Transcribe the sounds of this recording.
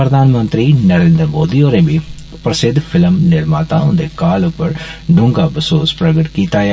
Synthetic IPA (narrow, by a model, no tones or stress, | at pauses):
pɾɐd̪ʱaːnmɐ̃nt̪ɾinɐɾeːnd̪ɾəmoːd̪ioːɾebʱi | pɾɐsɪd̪ʱfʰɪləmnɪɾmaːt̪aʊ̃nd̪ekaːlʊpəɾɖʱʊ̃ŋɡaːbʱɐsoːspɾɐɡəʈkiːt̪aːj